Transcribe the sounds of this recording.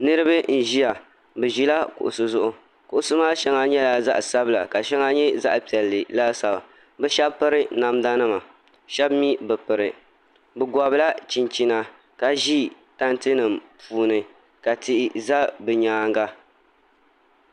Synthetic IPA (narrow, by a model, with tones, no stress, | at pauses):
nɨ˦ɾɨ˦bɨ˦n̩˨ʒi˦ja˨ | bɨ˨ʒi˦la˦kʊ̰˨ʔʊ̰˨sɨ˦zʊ˦ʔʊ˦ | kʊ˨ʔʊ˨sʊ˦maː˦ʃɛ˦ŋa˦ɲɛ˦laː˨˦za̰˦ʔsa˦bɨ˦la˨ka˨ʃɛ˦ŋa˦ɲɛ˦za̰˦ʔpi˨ɛ˨lːɨ˨la˦sa˨ba̰˨ | bɨ˦ʃɛ˦bpɨ˦ɾɨ˦na˨mda˦nɨ˦ma˨ | ʃɛ˦bmi˦bɨ˨pɨ˨ɾɨ˨ | bɨ˨ɡɔ˨bɨ˦la˦t͡ʃi˨nt͡ʃi˦na˨ | ka˨ʒi˦ | ta˦ntɨ˦nɨ˨mpʰuː˨˦nɨ˨ | ka˨ti˦ʔɪ˨za˦bɨ˨ɲaː˨˦ŋɡa˦